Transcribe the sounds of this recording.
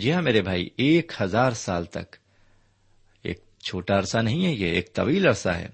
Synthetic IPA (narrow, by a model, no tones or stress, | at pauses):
d͡ʒiãmeːɾebʱaːḭeːkhɐzaːɾsaːlt̪ɐ̰k | ḛːk̚ | t͡ʃʰoːʈaɐɾsanɐɦĩɦɛjeeːk̚t̪ɐʋiːlɐɾsaɦɛ̰ː